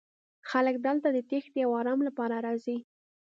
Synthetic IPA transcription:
xalək̚d̪əlt̪ad̪ət̪exd̪əjawɑɾɑmlapɑɾaɾɑzi

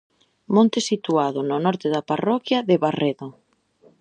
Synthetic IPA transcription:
mõnt̪ɪsit̪uaðʊnʊnɔɾt̪ɪðaparɔkjaðɪβareðʊ

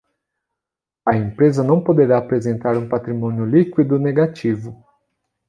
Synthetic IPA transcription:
ɐẽmpɾezɐnɐ̃w̃pod̪eɾaːpɾezẽnt̪aɾũpat̪ɾimõnjʊlikwid̪ʊneɡat͡ʃivʊ

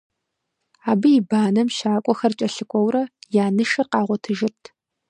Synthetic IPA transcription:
aːbɨjɪbaːnɐmʃaːkʷʼɔxɐrt͡ʃʼɐɬɨkʷʰʼɔwɾɐjaːnɨʃɐrqɑːʁʷɔtʰɨʒɪrtʰ

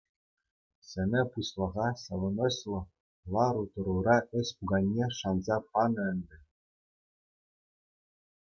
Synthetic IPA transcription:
sʲɘ̆nʲɘ̆puslˠɑ̆ʁɑsɑʋɤ̆nŏɕlˠɤ̆ | lˠɑɾut̪ɤ̆ɾuɾɑɘ̆sʲpuɡɑnʲːeʂɑnzɑpɑnɤ̆ɘ̆nd̪ʲɘ̆

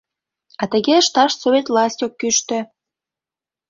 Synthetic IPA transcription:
ɑt̪ə̆ɣeʃt̪ɑʃsoβʲet̪vlɑsʲtʲokːyʃt̪ø̆

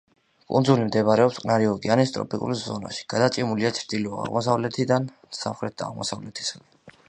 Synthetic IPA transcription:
kʼṵnd̪zulimd̪ɛbaɾɛɔpsqʼnaɾiɔɡianist̪ʼɾɔ̰pʰʼikʼṵlzɔna̰ʃi̥ɡ̥ad̪at͡ʃʼimuliat͡ʃʰɾd̪̥ilɔa̰ʁmɔs̬avlɛt̪ʰid̪an | sa̰mχɾɛt̪̚ʰd̪a̰ːʁmɔ̰savlɛt̪ʰi̥sχni

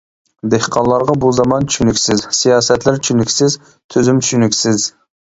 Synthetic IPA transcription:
d̪ehqʰɑnlˠɑɾʁɑbuzɑmɑnt͡ʃʰy̥ʃynykʲsɪzsijɑːsɛt̪læɾt͡ʃʰynykʲsɪz | t̪ʰyzymt͡ʃʰy̥ʃynykʲsɪz

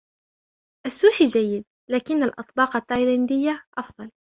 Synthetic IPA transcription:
ʔasːuːʃid͡ʒajːɪd̪̚ | laːkɪnːalʔɑ̰t̪ˤbɑːqat̪ːajlɪnd̪ɪjːaʔɑfðˤɑl

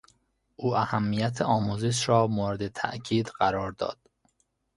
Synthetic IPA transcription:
ʔuːæhæmːijæt̪ʰeɒːmuːzeʃɾɒːmoːɾed̪et̪ʰæ̰ʔcʰiːd̪ɢæɾɒːɾd̪ɒ̰ːd̪̥

